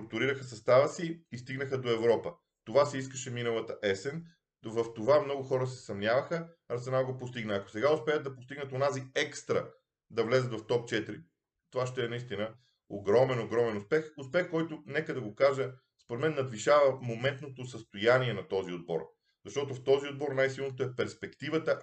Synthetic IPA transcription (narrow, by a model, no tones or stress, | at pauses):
st̪ɾʊk̚t̪ʊɾiɾəxəsɐst̪avəsiːst̪iɡnəxəd̪oɛvɾɔpə | t̪ovasɛiskəʃɛminəlˠət̪əʔɛsɛn | vɐft̪ovamnɔɡʊxɔɾəsɛsɐmnʲjavɐxəɾt̪sɛnalˠɡopost̪iɡnəːko̥sɛɡaʊspɛət̪̚d̪ɐpost̪iɡnət̪onaziɛkst̪ɾə̰ | d̪ɐvlɛzət̪vɐft̪ɔp̚t͡ʃɛt̪iɾi | t̪ovaʃt̪ɛɛnɐist̪inə | o̰ɡɾɔmɛnoɡɾɔmɛnʊspɛxʊspɛxkɔjt̪ʊnɛkəd̪ɐɡokaʒə | spoɾɛt̪mɛnːɐd̪viʃavəmomɛnt̪̚not̪osəst̪ojaniɛnɐt̪ɔziod̪̚bɔ̰ɾ | zɐʃt̪ɔt̪oft̪ɔziod̪̚bɔɾnajsilˠnot̪oɛpɛɾspɛkt̪ivət̪ə